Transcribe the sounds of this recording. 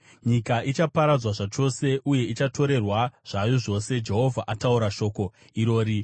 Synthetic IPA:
ɲikaʔit͡ʃapaɾad͡zwaʐat͡ʃo̞se̞ʔuje̞it͡ʃato̞ɾe̞rwaʐ̥ajo̞ʐo̞ːse̞d͡ʒe̞ɦo̞vʱaʔatauɾaʃo̞ːko̞ | iɾo̞ːɾi

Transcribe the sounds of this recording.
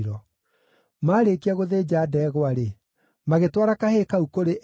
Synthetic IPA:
ɾɔ | maːɾeːkiaɣoðeːd͡ʑaːdɛːɣwaɾe | maɣetwaɾakahekaukoɾeʔ

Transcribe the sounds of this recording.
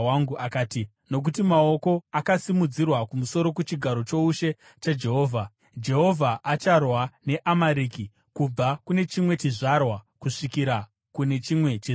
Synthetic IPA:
aŋɡuakaːti | no̞k̬utimao̞ko̞akasimud͡zirwakumuso̞ɾo̞kut͡ʃiɡʱaɾo̞t͡ʃo̞uʃe̞ | t͡ʃad͡ʒe̞ɦoːvʱa | d͡ʒe̞ɦo̞vʱaʔat͡ʃarwane̞ʔamaɾiːki | kub͡vakune̞t͡ʃimwe̞t͡ʃiʐarwakuʂikiɾa | kune̞t͡ʃimwe̞t͡ʃi

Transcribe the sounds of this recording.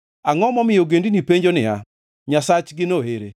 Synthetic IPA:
aŋɔmɔmɪjoɡendinipeɲd͡ʒonɪa̰ | ɲasat͡ʃɡɪnoheɾe

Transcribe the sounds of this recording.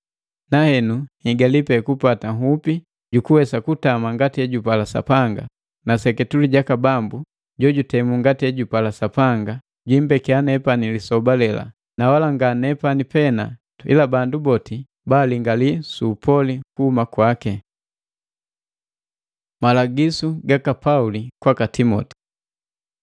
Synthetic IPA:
nahɛnuhiɡalipɛkupataŋɦupi | ɟukuwɛsakutamaŋɡatiɛɟupalasa̰paŋɡa̰ | nasɛkɛtuliɟakabambu | ɟɔɟutɛmuŋɡatiɛɟupalasapaŋɡa | ɟwimbɛkɛanɛpanilisɔbalɛla̰ | nawalaŋɡanɛpanipɛna̰tḭlabandubɔti | baliŋɡalisupʰɔlikuhumakwakɛ | malaɡisuɡakapaulikwakatimɔ̰ti̥

